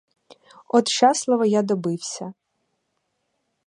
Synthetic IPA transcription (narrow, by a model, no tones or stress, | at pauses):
ɔt̪ʃɑslˠɐʋɐjad̪ɔbɪwsʲɐ